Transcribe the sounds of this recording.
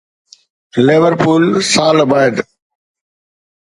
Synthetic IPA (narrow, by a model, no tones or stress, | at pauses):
leʋəɾpuːlsaːlbaːɪɖ